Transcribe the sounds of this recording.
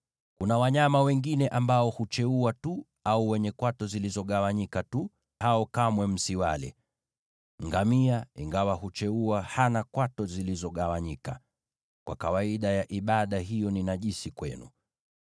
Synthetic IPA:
kunawaɲamawɛŋɡinɛʔambaɔhut͡ʃɛuatu | auwɛɲɛkwatɔzilizɔɠawaɲikatu | haɔkamwɛm̩siwalɛ̰ | ŋɡamiaḭŋɡawahut͡ʃɛuahanakwatɔzilizɔɠawaɲika̰ | kwʔa̰kawaiɗajaʔiɓaɗaɦijɔninaʄisikwɛ̰nṵ

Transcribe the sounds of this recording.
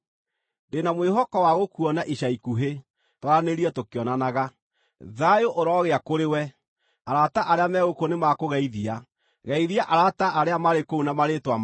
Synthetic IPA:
ndenamweɦɔkɔwaɣokuɔnaʔiɕaikuɦe | twaɾaneɾiɛtokeɔnanaɣa | ðajoʔoɾɔɣeakoɾewɛ | aɾataʔaɾeamɛɣokonemakoɣɛiðia | ɣɛiðiaʔaɾataʔaɾeamaɾekounamaɾetwam

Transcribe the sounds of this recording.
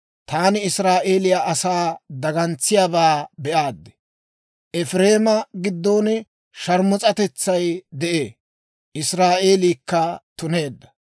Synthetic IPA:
t̪aːnɪɪsɾaːʔeːlɪjaʔɐsaːd̪ɐɡɐnt͡sːɪjaːbaːbɛʔaːd̪ːɛ̥ | ʔɛfɾe̞ːmɐɡɪd̪ːoːnɛ | ʃɐɾmɔt͡sʼɐt̪ɛt͡sːɐjd̪ɛʔeː | ʔɪsɾaːʔe̞ːliːkːɐt̪ʊne̞ːd̪ːɐ̥

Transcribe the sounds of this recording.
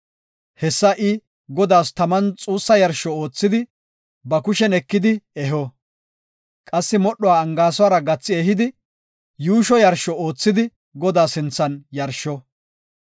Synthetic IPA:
hɛsːɐʔɪ | ɡɔd̪aːst̪ɐmɐnt͡sʼuːsːɐjɐɾʃɔoːt͡sːɪd̪ɪ | bɐkʊʃɛnɛkːɪd̪ɪɛɦɔ | kʼɐsːɪmɔɗɔwaːɐŋɡaːsɔwaːɾɐɡɐt͡sːɪɛɦɪd̪ɪ | juːʃɔjɐɾʃɔoːt͡sːɪd̪ɪ | ɡɔd̪aːsɪnt͡sːɐnjɐɾʃɔ

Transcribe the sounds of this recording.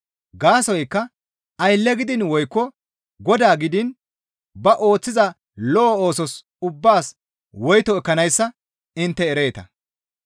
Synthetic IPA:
ɡaːsɔjkːɐ | ɐjlːɛɡɪd̪ɪnwɔjkːɔ | ɡɔd̪aːɡɪd̪ɪn | bɐʔo̞ːt͡sːɪzɐ | lɔːo̞ːsɔs | ʊbːaːs | wɔjt̪ɔɛkːɐnɐjsːɐ | ɪnt̪ːɛːɾe̞ːt̪ɐ̰

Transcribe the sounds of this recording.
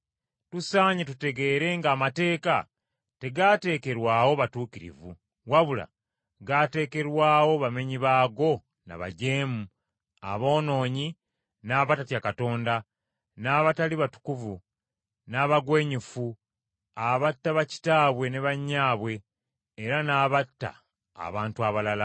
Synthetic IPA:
tusaːɲetute̞ɡe̞ːɾe̞ŋɡaːmate̞ːka̰ | te̞ɡaːte̞ːke̞ɾwaːwo̞βatuːkiɾḭvu | waβula̰ | ɡate̞ːke̞ɾwaːwo̞βame̞ɲiβaːɡo̞ | na̰βa̰ɟe̞ːmu | a̰βo̞ːno̞ːɲi | naːβatatjakato̞ːnda | naːβataliβatu̥kuvu | naːβaɡwe̞ːɲufu | aβatːaβaci̥taːβwe̞ne̞βaɲːaːβwe̞ː | ɾanaːβatːa̰ː | βaːntuaβalala

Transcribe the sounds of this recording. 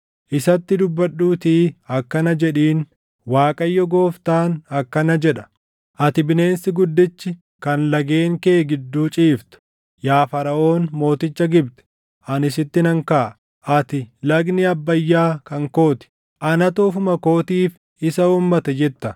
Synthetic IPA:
ʔɪsɐt̪ːɪd̪ʊbːɐɗːuːt̪iːɐkːɐnɐd͡ʒɛᶑiːn | waːkʼɐjːɔɡo̞ːft̪aːnɐkːɐnɐd͡ʒɛᶑɐ̥ | ʔɐt̪ɪbɪne̞ːnsɪɡʊd̪ːɪt͡ʃːɪ | kɐnlɐɡe̞ːŋkeːɡɪd̪ːuːt͡ʃʼiːft̪ʊ̥ | jaːfɐɾɐʔo̞ːnmo̞ːt̪ɪt͡ʃːɐɡɪbt̪ɛ̥ | ʔɐnɪs̬ɪt̪ːɪnɐŋkaː | ʔɐt̪ɪlɐɡnɪɐbːɐjːaːkɐŋko̞ːt̪ɪ̥ | ʔɐnɐt̪uːfʊmɐko̞ːt̪iːf | ɪsɐuːmːɐt̪ɛd͡ʒɛt̪ːɐ

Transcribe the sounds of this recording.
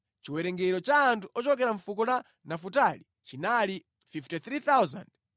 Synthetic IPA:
t͡ʃiwɛɾɛŋɡɛɾɔt͡ʃaːntʰuʔɔt͡ʃɔkɛɾaɱfukɔla | nafutali | t͡ʃinali | fiftiθɾit̪awza̰nd

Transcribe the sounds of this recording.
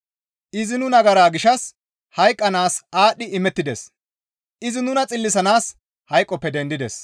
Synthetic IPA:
ʔɪzɪnʊnɐɡɐɾaːɡɪʃɐs | hɐjkʼːɐnaːsaːɗːɪʔɪmɛt̪ːɪd̪ɛs | ʔɪzɪnʊnɐt͡sʼɪlːɪsɐnaːs | hɐjkʼːɔpːɛd̪ɛnd̪ɪd̪ɛs

